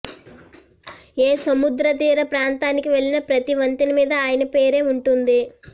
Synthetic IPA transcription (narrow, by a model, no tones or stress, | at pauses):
eːsɐmud̪ɾɐt̪iːɾɐpɾaːnt̪aːnikiʋe̞ɭːinɐpɾɐt̪iʋɐnt̪inɐmiːd̪ɐaːjɐnɐpe̞ːɾe̞ːuɳʈund̪i